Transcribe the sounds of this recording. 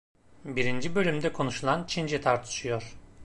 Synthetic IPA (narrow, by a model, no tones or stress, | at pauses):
biɾind͡ʒibø̞lʲymd̪ɛkʰo̞nuʃulˠant͡ʃʰind͡ʒɛt̪ʰaɾt̪ʰɯ̥ʃɯjo̞ɾ̥